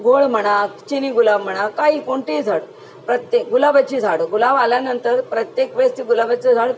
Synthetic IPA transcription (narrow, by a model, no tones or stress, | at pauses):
ɡoɭm̤əɽ̃at͡ɕiniɡulaʋm̤əɽ̃akaɦikoɳʈed͡zʱaɽ | pɾət̪jeɡulabət͡ɕid͡zʱaɽɡulaʋaljanənt̪əɾpɾət̪jekʋest̪iɡulabət͡səd͡zʱaɽ